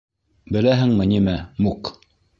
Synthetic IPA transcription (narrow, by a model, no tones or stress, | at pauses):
bɘ̆læɦɘŋmɘnimæmuk